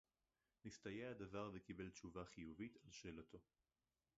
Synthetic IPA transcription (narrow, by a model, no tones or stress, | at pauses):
nistajeadavaʁvekibe̞lt͡ʃuvaχijuvitalʃe̞ːlatʰo̞